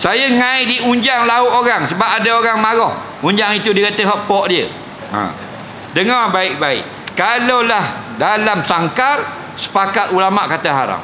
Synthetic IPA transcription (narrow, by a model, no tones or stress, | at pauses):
sajaŋãidiuɲd͡ʒaŋlaʊt̪oɾaŋsəbap̚adaoɾaŋmaɣɔh | uɲd͡ʒaŋit̪udikat̪əɦɔpːɔʔdiə | ã̰ | dəŋɔrbaɪʔ̚baɪ̰ʔ | kalawlah | dalamsaŋkar | sə̥pakat̪̚ulamaʔkat̪aɦaɾa̰m